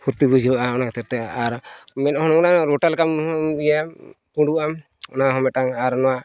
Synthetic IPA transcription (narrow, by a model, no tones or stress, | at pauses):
huɾt̪ibud͡ʒiʔaɔnakɛt̪ɛɾt̪ɛaɾmɛnɔɦɔnɔmnaŋɾɔʈalkamija | puɖuam | ɔnaɦɔmɛʈaŋaɾnɔwa